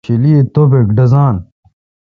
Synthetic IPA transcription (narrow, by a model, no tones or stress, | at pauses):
iliet̪obekɖɐzaːn